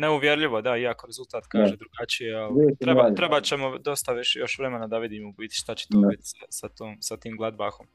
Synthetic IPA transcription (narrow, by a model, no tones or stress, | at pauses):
neuʋje̞ɾʎiʋo̞d̪aiakoɾe̞zult̪aːt̪kaːʒed̪ɾuɡat͡ʃijeoiet̪ɾebat̪ɾebat͡ɕemod̪o̞st̪aʋiʃejo̞ʃʋɾe̞menad̪aʋid̪imubit̪i̥ʃt̪at͡ɕe̥t̪oit̪i̥sasat̪oːmsat̪iːmɡlˠad̪baxo̞m